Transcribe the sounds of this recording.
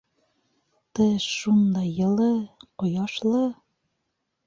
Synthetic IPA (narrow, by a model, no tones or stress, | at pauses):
t̪ɤʃːund̪ɑjːɤ̆lˠɤqŏjɑʃlˠɤ